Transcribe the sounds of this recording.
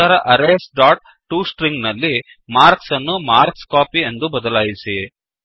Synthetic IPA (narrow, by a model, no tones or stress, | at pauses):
aːɾɐʔɐɾesɖaːʈ̚ | ʈuːsʈɾiŋɡnɐlːi | maːɾksɐnːumaːɾkskaːpie̞nd̪ubɐd̪ɐlaːjisi